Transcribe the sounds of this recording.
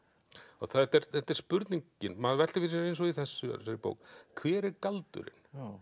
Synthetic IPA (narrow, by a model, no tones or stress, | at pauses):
ɔ̰ɣθaðɛt̪ɛɾθɛt̪ːɛɾ̥spʏɾt̪niɲcɪnmaðvɛ̥t̪ɪvɪɾs̬iejnsɔɣiθɛsːʏ̰saːjɪpo̰ːwkkʰvɛːɾɛɾkalt̪ʏ̰ɾɪ̰n